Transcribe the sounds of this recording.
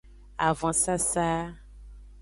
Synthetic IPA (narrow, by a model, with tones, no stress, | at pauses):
a˨vɔ̃˦sa˦sa˦